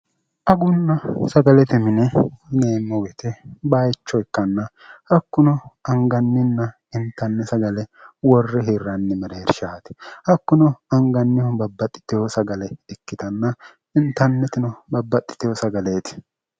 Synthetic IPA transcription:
ʔɐɡʊnːɐsɐɡɐlɛt̪ɛmɪnɛneːnːɔwɛt̪ɛbajt͡ʃːɔjkːɐnːɐ | hɐkːʊnɔɐŋɡɐnːɪnːɐ | ɪnt̪ːɐnːɛsɐɡɐlɛwɔrːɛɦirːɐnːɪmɛɾeːɾʃaːt̪ɪ̥hɐkːʊnɔɐŋɡɐnːɪɔbɐbːɐt̪ʼːɪ̥t̪ɪjɔsɐɡɐlɛɛkːɪt̪ɐnːɐ | ɪnt̪ːɐnːɛt̪ɪnɔbɐbːɐt̪ʼːɪ̥t̪ɪjɔsɐɡɐleːt̪ɪ̥

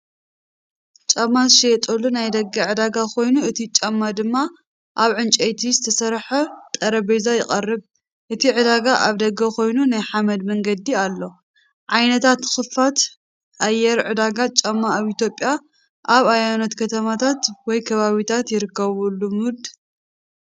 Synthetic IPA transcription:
t͡ʃʼɐmːaʃet̪ʼolːunajd̪ɐɡɐʕɨd̪aɡakʰo̞jnuɨt̪ʰit͡ʃʼɐmːad̪ɨmːa | ʔaβʕɨnt͡ʃʼɐjt̪ʰizɨt̪ʰɐsɐɾħɐt̪ʼɐɾɐbɐjzajɪχʼɐrːɨβ | ʔɨt̪ʰiʕɨd̪aɡaʔaβd̪ɐɡɐkʰo̞jnunajħamɐd̪mɐŋɡɐd̪ialːo̞ | ʕajnɐt̪ʰat̪xɨfat̪ | ʔajːɛɾʕɨd̪aɡat͡ʃʼɐmːaːβit̪jo̞pʼja | ʔaβajanot̪kʰɐt̪ʰɐmat̪ʰat̪wɔjkʰɐβaβit̪ʰat̪jɪɾɨkːɐβulːumud̪

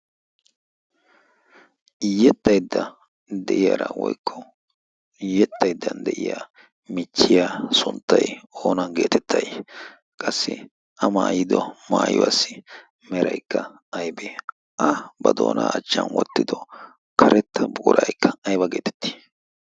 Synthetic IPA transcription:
jɛt̪ːɐjd̪ːɐ | d̪ɛʔɪjaːɾɐwɔjkʰːɔ | jɛt̪ʼːɐjd̪ːɐnd̪ɛʔɪjaː | mɪt͡ʃːɪjaːsʊnt̪ːɐjoːnɐɡeːt̪ɛt̪ʰːɐj | kʼɐsːɪ̰ | ʔɐmaːjɪd̪ɔmaːjʊ̰wa̰sːɪ | mɛɾɐjkːɐ | ɐjbɛ | ʔɐbɐd̪o̞̰ːnaːɐt͡ʃːɐnwɔt̪ːɪd̪ɔ | kʰɐɾʔɛt̪ːɐbʊʊɾʔɐjkʰːɐɐjbɐɡeːt̪ɛ̥t̪ːi̥

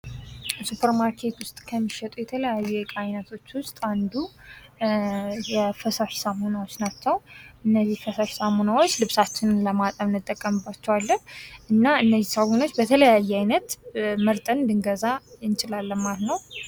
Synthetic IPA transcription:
supʰəɾmaɾkʰe̞t̪wʊst̪ʼkʰəmːiʃɛt̪ʼujɛt̪ʰələjajːuɛkʼajnət̪ʰo̞t͡ʃːwʊst̪ʼand̪u | jɛfəsaʃsamonawot͡ʃːnat͡ʃːɛwʔɨnːəzːihfəsaʃsamonawo̞t͡ʃːlɨβsat͡ʃːɪnnləmat̪ʼəmnɨt̪ʼːəkʼːəmɨbːat͡ʃːɛwalːəhʔɨnːaɨnːəzːisamono̞t͡ʃːbət̪ʰələjajːɛajnət̪məɾt̪ʼənd̪ɨŋɡəzaɨnt͡ʃʼɪlalːəmmaɾt̪nəw

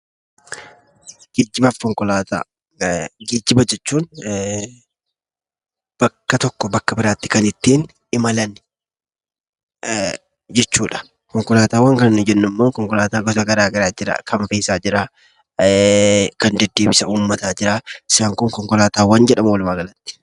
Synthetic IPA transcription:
ɡ̥eːd͡ʒːɪbaːfkɔŋkɔlaːt̪a̰ː | ɡeːd͡ʒːɪbɐd͡ʒɛt͡ʃːuːn | b̥ɐkːɐt̪ɔkːɔbɐkːɐbɪɾaːt̪ːɪ̥kɐnɪt̪ːeːn | ɪmɐlɐn | d͡ʒɛt͡ʃːuːᶑɐ̥ | kɔŋkɔlaːt̪aːwɐŋkɐnnːʊd͡ʒɛnːʊmːoːkɔŋkɔlaːt̪aːɡɔt̪ɐɡɐɾaːɡɐɾaːd͡ʒɪɾa̰ːkɐmfeːsaːd͡ʒɪɾaː | kɐnd̪ɛd̪ːe̞ːbɪsɐuːmːɐt̪aːd͡ʒɪɾaːɪsaːŋkʊŋkɔŋkɔlaːt̪aːwɐnd͡ʒɛᶑɐmwlmaːɡɐlɐt̪ːɪ̥

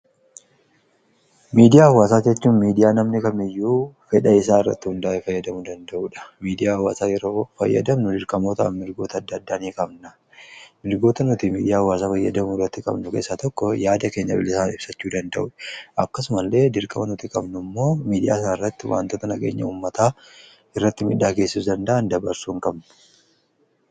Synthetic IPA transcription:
miːd̪ɪjaːhʊwaːsaːd͡ʒɛt͡ʃːuːnmiːd̪ɪjaːnɐmnɪkɐmɪjːuːfɛᶑɐɪsaːɪrːɐ̰t̪ːɪhʊnd̪aːʔɛfɐjːɐd̪ɐmʊd̪ɐnd̪ɐʔuːᶑɐ̥miːd̪ɪjaːhwaːsaːjɛɾo̞ːfɐjːɐ̰d̪ɐmnʊd̪ɪɾkʼɐmoːt̪ɐʔɐ̰nmɪɾɡo̞ːt̪ɐːd̪ːɐːd̪ːaːniːkʼɐbnɐ | mɪɾɡo̞ːt̪ɐnʊt̪imiːd̪ɪjaːɐwaːsaːfɐjːɐ̰d̪ɐmʊɪrːɐt̪ːɪkʼɐ̰bnʊke̞ːsːaːt̪ɔkːɔjaːd̪ɐke̞ːɲːɐ̰bɪ̰lɪsaːnɪb̥sɐt͡ʃːuːd̪ɐnd̪ɐʔuːᶑɐ̥ʔɐkːɐs̬ʊmɐlːe̞ːd̪ɪɾkʼɐmɐnʊt̪ikʼɐbnʊmːo̞ːmiːd̪ɪja̰ːsɐnɪrːɐt̪ːɪwʔa̰ːnt̪oːt̪ɐnɐɡḛːɲːɐuːmːɐt̪aː | ɪrːɐt̪ːɪmɪᶑːaːke̞ːsːɪsd̪ɐnd̪ɐʔɐnd̪ɐbɐɾsuːŋkʼɐbn

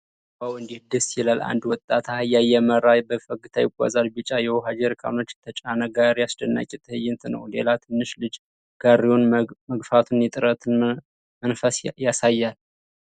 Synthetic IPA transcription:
bawɨnd̪ihɨd̪ɨsjɛlalʔa̰nd̪wɔt̪ʼːat̪ʰajajɛməɾajbəfəɡɨt̪ʰajɪɡʷʼa̰zalbɨt͡ʃʼːajɛwɔɦad͡ʒeɾɨkʰʼa̰mnət͡ʃːt̪ʰət͡ʃʼanəɡaɾjasd̪ənːa̰kʼɪt̪ʰɨhɨjːɪnt̪ʰɨnə̰wle̞̰lat̪ʰɨnːɨʃlɨd͡ʒ | ɡ̥arionməɡfat̪ʰunjɛt̪ʼɨɾət̪ | mənfəsjasajːal

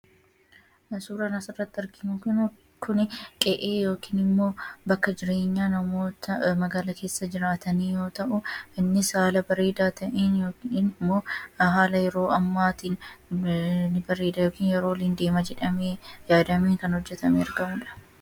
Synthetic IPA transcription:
ɐsuːɾanɐsɪrːɐt̪ːɪɐɾkɪnʊkʊn | kʰʊnɪkʼɛʔeːjo̞ːkiːnɪmːo̞ːbɐkːɐd͡ʒɪɾe̞ːɲːaːnɐmo̞ːt̪ɐmɐɡaːlɐke̞ːsːɐd͡ʒɪɾaːt̪ɐniːjo̞ːt̪ɐʔʊɪnːɪsaːlɐbɐɾeːd̪aːt̪ɐʔeːnjoːkiːnɪmːo̞ːɦaːlɐjɛɾo̞ːɐmːaːt̪iːn | nːɪbɐɾeːd̪ɐjo̞ːkiːnjɛɾo̞ːlɪnd̪e̞ːmɐd͡ʒɛᶑɐmeːjaːd̪ɐmeːŋkɐnhɔd͡ʒːɛt̪ɐmeːɐɾɡɐmʊᶑɐ̥

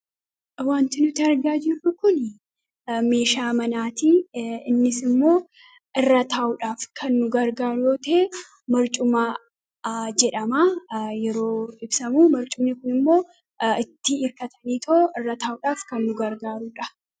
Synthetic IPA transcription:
waːnt̪ɪnʊt̪ɪɐɾɡaːd͡ʒɪrːʊkʊn | me̞ːʃaːmɐnaːt̪iɪnːɪsɪmːo̞ː | ʔɪrːɐt̪aːʔʊᶑaːfkʰɐnːʊɡɐɾɡaːɾʊjoːt̪eː | mɐɾt͡ʃʼʊmaː | d͡ʒɛᶑɐmaːjɛɾo̞ːɪbsɐmuːmɐɾt͡ʃʼʊmnɪkʊnɪmːo̞ː | ɪt̪ːɪːɾkɐt̪ɐniːt̪ʰoʔɪrːɐt̪aːʊᶑaːfkɐnːʊɡɐɾɡaːɾuːᶑɐ

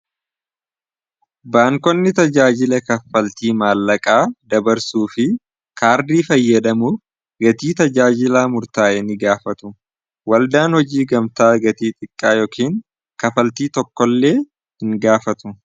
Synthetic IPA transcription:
baːŋkɔnːɪt̪ɐd͡ʒaːd͡ʒɪlɐkɐfɐlt̪iːmaːlːɐkʼaːd̪ɐbɐɾsuːfɪ | kʰaːɾd̪iːfɐjːɐd̪ɐmʊ | ɡɐt̪iːt̪ɐd͡ʒaːd͡ʒɪlaːmʊɾt̪aːʔɛnɪɡaːfɐt̪ʊ | wɐld̪aːnhɔd͡ʒiːɡɐmt̪aːɡɐt̪iːt̪ʼɪkʼːaːjɔːkʰiːŋ | kɐfɐlt̪iːt̪ɔkːɔlːe̞ː | hɪŋɡaːfɐt̪ʊ

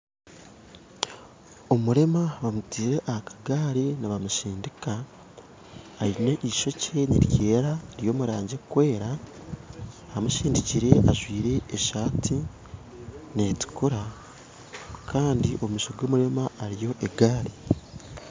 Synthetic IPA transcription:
omuɾe̞maβamutiːɾeʔahakʰḁɡaːɾenaβamuʃiːndika | ɾineʔiʃo̞ce̞neɾce̞ːɾaɾjo̞ːmuɾaːɲɟekwe̞ːɾa | amuʃiːndiciɾe̞ʔaʒwiːɾe̞ːʃaːtʰi | ne̞tu̥kuɾa | kʰaːndiʔo̞mumiʃoɡo̞ːmuɾe̞maːɾijo̞ʔeɡaːɾi

